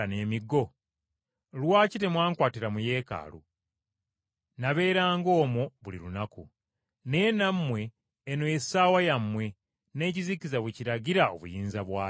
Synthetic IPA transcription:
ane̞ːmiɡo̞ | lwaːcite̞mwaːŋkwaːtiɾamuje̞ːka̰ːlṵ | naβe̞ːɾaːŋɡo̞ːmoβulḭɾunakṵ | ne̞ːnamːwe̞ː | nojesaːwajamːwe̞ | ne̞ːcizikizaβweciɾaɟiɾao̰βṵjiːnzaβwaː

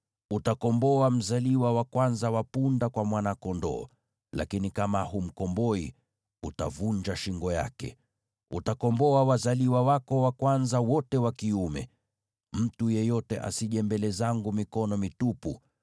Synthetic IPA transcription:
utakɔmbɔam̩zaliwawakwanzawapundakwamwanakɔndɔ̰ː | la̰kinikamaɦum̩kɔmbɔḭ | utavuɲd͡ʒaʃiŋɡɔja̰kɛ̰ | ṵtakɔmbɔawazaliwawakɔwakwanzawɔtɛwakiumɛ̰ | m̩tujɛjɔtɛʔa̰siʄɛmbɛlɛzaŋɡumikɔnɔmitupu

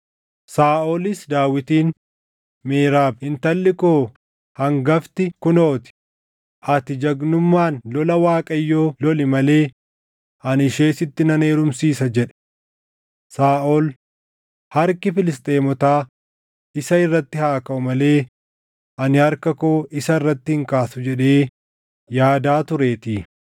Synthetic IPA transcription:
saːʔoːlɪsd̪aːwɪt̪iːn | meːɾaːbhɪnt̪ɐlːɪkoː | hɐŋɡɐft̪ɪkʊnoːt̪ɪ̥ | ʔɐt̪ɪd͡ʒɐɡnʊmːaːnlɔlɐwaːkʼɐjːoːlɔlɪmɐle̞ː | ʔɐnɪʃe̞ːsɪt̪ːɪnɐne̞ːɾʊmsiːsɐd͡ʒɛᶑɛ̥ | saːʔɔl | hɐɾkɪfɪlɪst̪ʼe̞ːmɔt̪aː | ɪsɐɪrːɐt̪ːɪhaːkɐʊmɐle̞ː | ʔɐnɪhɐɾkɐkoːɪsɐɪrːɐt̪ːɪhɪŋkaːsʊd͡ʒɛᶑeː | jaːd̪aːt̪ʊɾe̞ːt̪iː

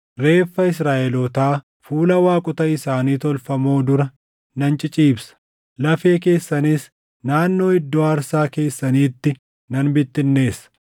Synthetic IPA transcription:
ɾe̞ːfːɐɪs̬ɾaːʔɛlɔt̪aː | fuːlɐwaːkʼʊt̪ɐɪsaːniːt̪ɔlfɐmo̞ːd̪ʊɾɐ | nɐnt͡ʃʼɪt͡ʃʼiːbsɐ̥ | lɐfe̞ːke̞ːsːɐnis | naːnːo̞ːɪd̪ːoːɐɾsaːke̞ːsːɐniːt̪ːɪ | nɐnbɪt̪ːɪnːe̞ːsɐ̥

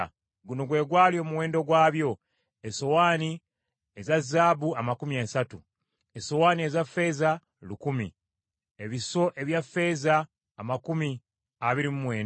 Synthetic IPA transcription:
ɡuno̞ɡwe̞ːɡwaːljo̞ːmuwe̞ːndo̞ɡwaːβjo̞ | eso̞waːni | ezazːaːbuamakumiasatu | eso̞waːnie̞zafːe̞ːza | lukumḭ | e̞βiso̞ʔe̞βjafːe̞ːzaː | makumi | aβiɾimumwe̞ːn

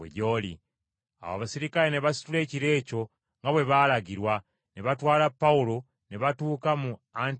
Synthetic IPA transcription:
ḛɟolḭ | a̰wa̰βasiɾikaɾeneβasi̥tule̞ːciɾe̞ːco̞ | ŋɡaβwe̞βaːlaɡiɾwa | neβatwaːlapːaulo̞ | neβatuːkamuan

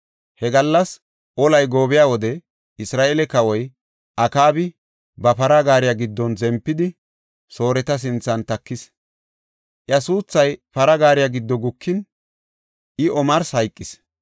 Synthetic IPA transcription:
hɛɡɐlːɐs | ʔɔlɐjɡo̞ːbɪjaːwɔd̪ɛ | ɪsɾaːʔeːlɛkɐwɔj | ʔɐkaːbɪ | bɐpɐɾɐɡaːɾɪjaɡɪd̪ːɔnzɛmpːɪd̪ɪ | so̞ːɾɛt̪ɐs̬ɪnt͡sːɐnt̪ɐkːɪs | ʔjɐsuːt͡sːɐjpɐɾɐɡaːɾɪjaɡɪd̪ːɔɡʊkːɪn | ʔɪɔmɐɾshɐjkʼːɪs

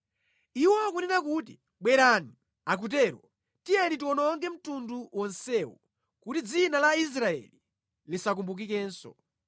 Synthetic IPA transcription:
iwɔakunɛnakutḭ | ɓwɛɾani | ak̬ut̬ɛɾɔ | tianitiwɔnɔŋɡɛm̩tunduwʔɔnsɛwɔ | kutid͡zinalais̬ɾaɛ̰li | lisak̬umbuk̬ikɛːnsɔ̰

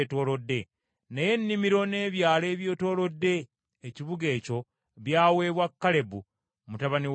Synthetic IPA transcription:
to̞ːlo̞dːe̞ | naje̞nːimiɾo̞ne̞ːβjaːle̞ːβjoːto̞ːlo̞dːe̞ː | ciβuɡe̞ːco̞ | βjaːwe̞βwakːale̞bu | mutaβani

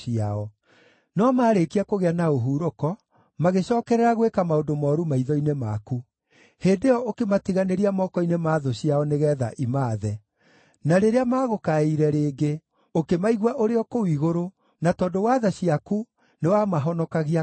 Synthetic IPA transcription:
iaɔ | nɔmaːɾekiakoɣeanaoɦuːɾokɔ | maɣeɕɔːkɛɾɛɾaɣwekamaondomɔːɾumaiðɔinema̰ku | heːndeɔokematiɣaneɾiamɔːkɔinemaːðoɕiaɔneɣɛða̰ʔimaːðɛ | naɾeɾeamaːɣokaiɾɛɾeːɡe | okemaiɣwaʔoɾeɔkowiɣoɾo | natɔːndowaːðaɕiaku | newamaɦɔnɔkaɣia

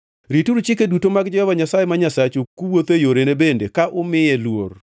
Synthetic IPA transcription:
ɾituɾut͡ʃɪk̬edutomaɡd͡ʒɔhɔvaɲasajemaɲasat͡ʃokuwot̪ejoɾenebendḛkaʔʊmɪjelwor

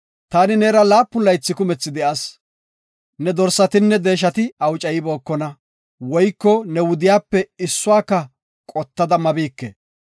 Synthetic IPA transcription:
t̪aːnɪnɛːɾɐlaːpːʊlɐjt͡sːɪkʊmɛt͡sːɪd̪ɛʔas | nɛd̪ɔɾsːɐt̪ɪnːɛd̪e̞ːʃ̬ɐt̪ɪɐwt͡ʃʼɐjɪbo̞ːkːɔnɐ | wɔjkːɔnɛwʊd̪ɪjaːpːɛɪsːʊaːkːɐ | kʼɔt̪ːɐd̪ɐmɐbiːkːɛ̰

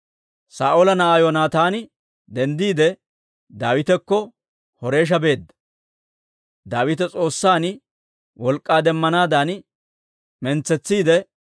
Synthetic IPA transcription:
saːʔolɐnɐaːjɔnaːt̪aːnɪ | d̪ɛnd̪iːd̪ɛ | d̪aːwɪt̪ɛkːɔ | hɔɾe̞ːʃ̬ɐbe̞ːd̪ːɐ̥ | d̪aːwɪt̪ɛt͡sʼo̞ːsːaːn | wɔlkʼːaːd̪ɛmːɐnaːd̪aːn | mɛnt͡sːɛt͡sːiːd̪ɛ

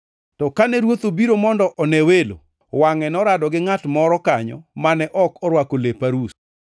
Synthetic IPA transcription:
tɔkanɛɾwot̪obiɾomɔndɔʔɔnɛwelo̰ | waŋɛnɔɾadɔɡɪŋatmɔɾɔkaɲɔ̰manɛʔɔkɔɾwakolepaɾus

